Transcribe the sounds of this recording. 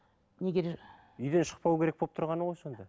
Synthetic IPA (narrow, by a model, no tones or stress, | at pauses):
nʲeɡʲeɾ | ʏjd̪e̞nʃə̥q̚pɑwkʲe̞ɾek̚bo̞p̚t̪ʰʊɾʁɑnəʁojso̞nd̪ɑ